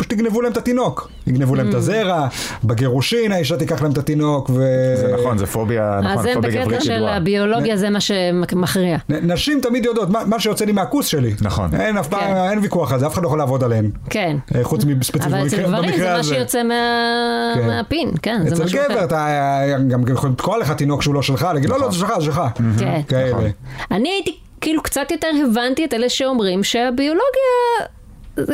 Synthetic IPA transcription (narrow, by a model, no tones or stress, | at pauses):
ʃt̪iɡnevulahemt̪at̪ino̞k | t̪iɡnevulahemt̪azeʁabeɡeʁuʃinaiʃ̬at̪ikaχlaemt̪at̪ino̞kveznonzefobianaembkɛlabioloɡjazemaʃemaχʁiannaʃimt̪amid̪jod̪ot̪mamaʃejot͡selimeakusʃe̞linaχo̰nenafpamenvikuaχalzeafe̥adloolaːvo̞d̪aleemkenχut͡smispeifvasvbaimikʁeamazʃejot͡semeakemeapinkenzeet͡selɡeveʁat̪aɡamjeχolimt̪koaleχat̪inokʃeulo̞ʃelχalaɡid̪lolozeʃelχazʃelχakenkaeleaniait̪i | kiːlukt͡sat̪jo̞teʁhevant̪ieteleʃeomʁimʃeabio̞lo̞ɡia | z